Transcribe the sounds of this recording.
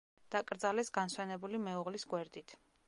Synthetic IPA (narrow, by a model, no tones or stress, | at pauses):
d̪̥akʼɾd̪zalɛsɡanswɛnɛbulimɛuʁlisɡwɛɾd̪it̪ʰ